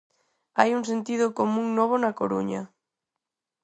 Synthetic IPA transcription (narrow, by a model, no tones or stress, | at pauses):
ajuŋs̬ent̪iðʊkomũŋnɔβ̞onɐkoɾuɲɐ̰